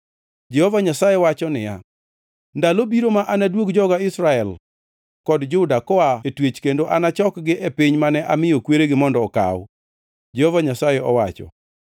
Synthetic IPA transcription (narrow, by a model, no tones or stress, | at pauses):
d͡ʒɛhovaɲasajewat͡ʃɔnɪja̰ | ndalobiɾomaʔanadwoɡd͡ʒɔɡaɪsɾaɛl | kɔdd͡ʒʊdakɔaetwet͡ʃkendoʔanat͡ʃɔkɡɪʔepɪɲmanɛʔamɪjokweɾeɡɪmɔndɔːka̰w | d͡ʒɛhovaɲasajeɔwat͡ʃɔ̰